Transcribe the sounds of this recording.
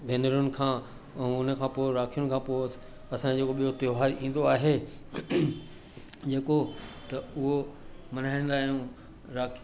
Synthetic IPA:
bʱeːnəɾʊnɪ̆kʰãː | ʊnə̆kʰãːpoːɪɾaːkʰijʊnɪ̆kʰãːpoː | ɐsãd͡ʑeːkoɓijot̪eoɦaːɾĩːn̆d̪oaːɦe | d͡ʑeːkot̪ɐʊɦomɐn̤aːĩn̆d̪aːɦijũ | ɾaːkʰ

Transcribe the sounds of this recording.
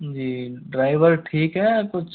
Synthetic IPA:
d͡ʒiːɖɾaːɪʋəɾʈʰiːkɦɛːkʊt͡ʃʰ

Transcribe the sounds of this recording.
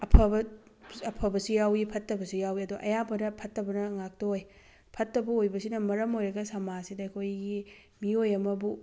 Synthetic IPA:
ɐpʰɐbɐ | ɐpʰɐbɐsijawipʰɐtːɐbɐsijawiɐduʔɐ̰jabɐnɐpʰɐtːɐbɐnɐŋak̚tɐoj | pʰɐtːɐbɐojbɐsinɐmɐɾɐmojɾɐɡɐsamasidɐjkʰojɡi | miojɐmɐbu

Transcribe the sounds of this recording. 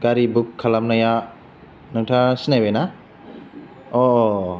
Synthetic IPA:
ɡaɾibukʰːalamnaja | nɯŋtʰasinajbajna | ɔ

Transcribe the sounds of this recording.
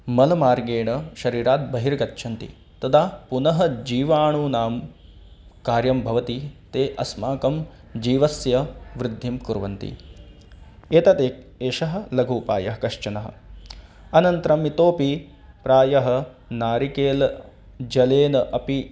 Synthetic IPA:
mɐlɐmaːɾɡeːɳɐʃɐɾiːɾaːt̪̚bɐɦiɾɐɡɐtːʃʰɐnt̪ḭ | t̪ɐd̪aːpunɐɦɐ̆d͡ʒiːʋaːɳuːnaːm | kaːɾjɐmbʱɐʋɐt̪it̪eːʔɐsmaːkɐm | d͡ʒiːʋɐsjɐʋɾɪd̪ʱːimkuɾʋɐ̰nt̪ḭ | eːt̪ɐt̪eːkeːʃɐɦɐ̆lɐɡʱuːpa̰ːjɐɦɐkɐʃt͡ʃɐnɐɦɐ̰̆ | ɐnɐnt̪ɾɐmit̪oːpi | pɾaːjɐɦɐ̆ | naːɾikeːlɐ | d͡ʒɐleːnɐʔɐpi

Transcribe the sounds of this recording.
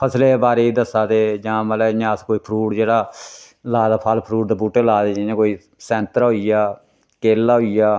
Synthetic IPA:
pʰəsleːbaːɾeːid̪əsãːt̪eːd͡ʒãːməlɛːɲãːskoːiːpʰɾuːʈd͡ʒeːɽaː | laːd̪aːpʰaːlpʰɾuːʈ̚d̪aːbuːʈeːlaːd̪eːd͡ʒãːjãːkoːiː | sɛ̃ːnt̪əɾɦoːijaː | keːlːaːɦoːijaː

